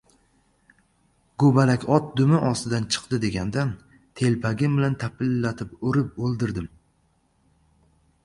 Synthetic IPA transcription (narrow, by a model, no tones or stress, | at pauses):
ɡobalakʲɒt̪̚d̪ʊmɪʔɒst̪ɪd̪ant͡ʃʰɨ̥qd̪ɪd̪e̞ɡʲand̪an | t̪ʰe̞lpʰaɡʲɪmbɪlant̪ʰapʰɪlːat̪ʰɪpʊɾɪp̚olˠd̪ɪɾd̪ɪm